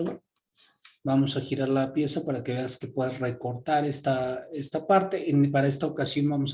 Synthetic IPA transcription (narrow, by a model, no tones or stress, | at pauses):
bamo̞saxiɾaɾlapje̞sapaɾake̞βe̞aske̞pwe̞ðasre̞ko̞ɾt̪aɾest̪aest̪apaɾt̪e̞ʔenpaɾae̞s̬t̪ao̞kasjo̞nbamos